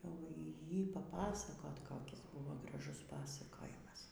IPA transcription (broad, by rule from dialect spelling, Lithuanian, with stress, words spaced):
jɛʊ ˈjiː pɐˈpɑːsɐkoːt koːˈkʲɪs ˈbʊʋoː ɡrɐˈʒʊs ˈpɑːsɐkoːjɪmɐs